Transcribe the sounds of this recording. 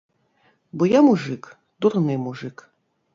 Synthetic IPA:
bɔjamuʐɨk | d̪urnɨmuʐɨk

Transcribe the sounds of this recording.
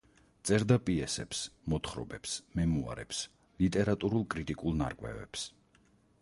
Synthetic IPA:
t̪sʼɛɾd̪apʼiɛsɛpsmɔt̪χɾɔ̰bɛpsmɛmua̰ɾɛps | lit̪ʼɛɾat̪ʼuɾulˠkʼɾit̪ʼikʼulˠna̰ɾkʼvwɛ̰vɛ̰ps

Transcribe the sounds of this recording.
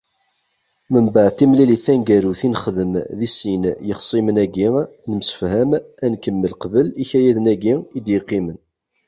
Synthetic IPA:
məmbəʕθimliliθænɡæɾuθinχðəmðisinjəχsˤimənæɡinəmsə̥fhæmænkəmːəlqvəliçæjæðənæɡiid̪jəqːimən

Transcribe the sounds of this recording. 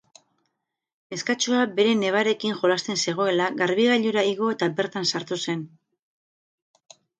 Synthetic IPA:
e̞skat͡ʃoabe̞ɾe̞ne̞β̞aɾe̞kiŋxo̞last̪e̞nse̞ɣ̞o̞e̞laɣaɾβiɣaʎuɾaiɣ̞o̞e̞t̪abe̞ɾt̪ansaɾt̪use̞n

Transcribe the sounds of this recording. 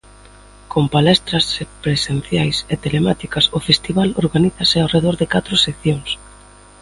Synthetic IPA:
kompalɛst̪ɾɐspɾesen̟θjajset̪elemat̪ikɐsʊfest̪iβaloɾɣaniθɐsɪawreð̞oɾðɪkat̪ɾʊsekθjoŋs

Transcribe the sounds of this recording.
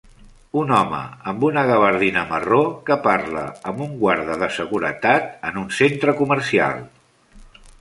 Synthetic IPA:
unɔmə̰əmbunəɣəβəɾðinəmərokəparlə̰əmbuŋɡwaɾðəðəsəɣuɾət̪at̪ənunsent̪ɾəkuməɾsia̰lˠ

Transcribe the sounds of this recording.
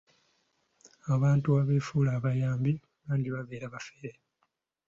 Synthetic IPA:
aβaːntuaβeːfuːlaːβajaːmbi | βaːɲɟiβaβe̞ːɾaβafeɾe

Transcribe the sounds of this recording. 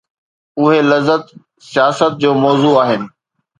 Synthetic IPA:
ʊɦelɐzːət̪ | sijaːsət̪̚d͡ʑoːmɔːzuaːɦɪnɪ̆

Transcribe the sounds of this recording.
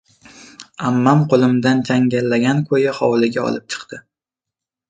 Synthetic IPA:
amːamqʰolˠɪmd̪ant͡ʃʰaŋɡʲalːaɡʲankʰojɪχɒwlˠɪɡʲaɒ̰lˠɪp̚t͡ʃʰɨ̥qt̪ɪ

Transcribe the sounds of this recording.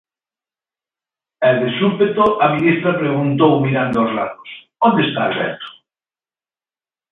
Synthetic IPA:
eld̪esulpet̪oʔaminist̪ɾapɾeɣ̞unt̪owmiɾand̪oozlaðosdond̪est̪a̰ːβɛ̰ɾt̪o̥

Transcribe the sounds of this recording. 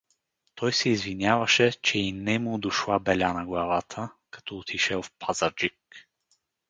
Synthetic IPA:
t̪ʰɔjsɛizvinʲjavəʃɛt͡ʃɛinɛmud̪ʊʃlˠabɛlʲanɐɡlˠavat̪ʰəkɐ̥t̪ɔːt̪ʰiʃɛlˠfpʰazəɾd͡ʒik

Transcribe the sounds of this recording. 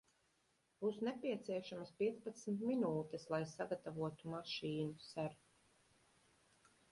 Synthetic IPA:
b̥usnɛpʲiɛt̪siɛʃamɐspiɛt̪spat̪sm̩t̪minuːt̪ɛslˠajsaɡat̪avuɔt̪umaʃiːnusaɾ

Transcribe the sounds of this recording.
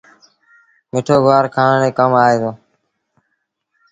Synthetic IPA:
mɪʈʰoːɡʋaːɾkʰaːnãːneːkəmaːɦeːd̪oː

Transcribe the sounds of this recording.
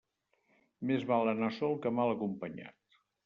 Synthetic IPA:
mezβalˠənasɔlˠkəmalˠəkumpəɲa̰t̪

